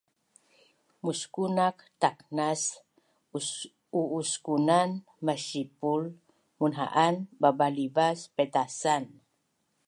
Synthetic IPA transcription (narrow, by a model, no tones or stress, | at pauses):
muskunak̚t̪ak̚nas | uːskunan | maʃipul | munɦa̰ʔanbabalibaspɛt̪asan